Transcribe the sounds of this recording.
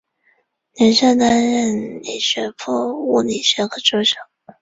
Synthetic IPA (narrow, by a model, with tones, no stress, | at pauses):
njɛ˧˥nɕɑ˥˩t̪a˥nɻə˥˩nni˨˩ɕɥɛ˧˥pʰɔ˥˧u˥˩ni˨˩ɕɥɛ˧˥xɤ˧˥ʈ͡ʂo˥ɕjɑ˨˩˦